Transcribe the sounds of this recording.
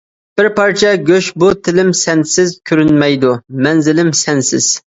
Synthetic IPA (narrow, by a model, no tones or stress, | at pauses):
b̥ɪɾpʰɑɾt͡ʃʰɛɡʲøʃbut̪ʰɪlɪmsɛnsɪzkʲʰøɾynmɛjd̪umɛnzɪlɪmsɛnsɪ̰z̥